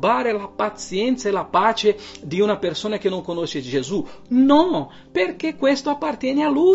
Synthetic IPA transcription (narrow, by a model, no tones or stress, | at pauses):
baːɾelapat̪sjɛnt̪saelapaːt͡ʃed̪iunapersoːnak̟enːoŋkonoʃed͡ʒezunɔ | perkekːwest̪oapːart̪jɛːnealu